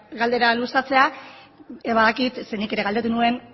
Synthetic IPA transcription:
ɡald̪e̞ɾalusat͡se̞a | βaðakit̪se̞nike̞ɾeald̪e̞t̪̬unue̞n

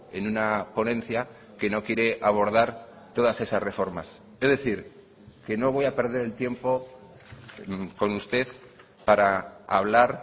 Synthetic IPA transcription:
e̞̰nunapo̞nẽ̞n̟θja | ke̞no̞kje̞ɾe̞ʔaβ̞o̞ɾð̞aɾ | t̪o̞ðase̞sasre̞fo̞ɾmas | ezðeθiɾ | ke̞no̞βo̞jape̞ɾð̞e̞ɾe̞lt̪je̞mpo̞ | ko̞nust̪e̞ð | paɾaa̰β̞laɾ

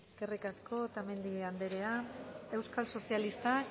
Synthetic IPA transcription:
kerekasko̞t̪ame̞nd̪ieand̪eɾe̞ae̞wskalso̞sialist̪a

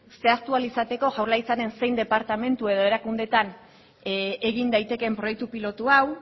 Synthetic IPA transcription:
se̞ast̪ualisat̪e̞ko̞ʝawɾlajt͡sane̞nse̞jnd̪e̞paɾt̪ame̞nt̪ue̞ð̞o̞e̞ɾakund̪e̞t̪an | eɣind̪ajt̪e̞ke̞mpɾo̞jek̚t̪upilo̞t̪uaw

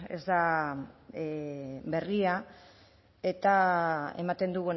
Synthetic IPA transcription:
e̞̰zd̪a | be̞ria | e̞t̪ae̞̰mat̪e̞nd̪uɣun

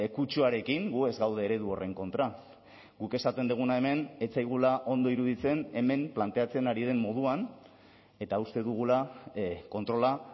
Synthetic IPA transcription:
ekut͡ʃuaɾe̞kiŋɡue̞zɡawð̞e̞ːɾe̞ðuo̞re̞ŋko̞nt̪ɾa | ɡ̥uke̞sat̪e̞nd̪uɣ̞unae̞me̞ne̞t͡sajɣulaʔo̞nd̪o̞iɾuðit͡se̞ne̞me̞mplant̪e̞at͡se̞naɾið̞e̞mːo̞ð̞uan | e̞t̪aust̪e̞ðuɣ̞ulako̞nt̪ɾo̞la

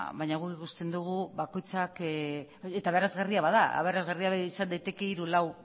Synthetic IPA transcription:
βajɲaɣ̞ukikust̪e̞nd̪uɣ̞uβako̞jt͡sak | et̪aβeɾazɣariaβaðaa̰βe̞ɾazɣariaβaisand̪ajt̪e̞ke̞iɾulaw

